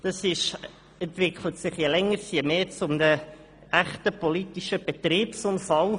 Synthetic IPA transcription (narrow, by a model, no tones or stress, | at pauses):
d̥ɑsɪʃ | ɛntvɪkχlət̪sɪχjelɛŋːəɾsjemeːt͡sʊmnə | æχtəpʰɔlitiʃəb̥ɛt̪riːpsʊnfɑl